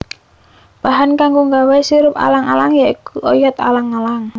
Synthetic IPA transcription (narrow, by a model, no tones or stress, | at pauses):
b̥aɦankaŋɡoŋɡawɛsiɾʊpa̰laŋalaŋjaikuʔojɔt̪a̰laŋːalaŋ